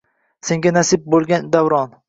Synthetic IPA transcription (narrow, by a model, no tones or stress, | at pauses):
sẽ̞ŋɡʲanasɪb̚bolˠɡʲand̪avɾɒn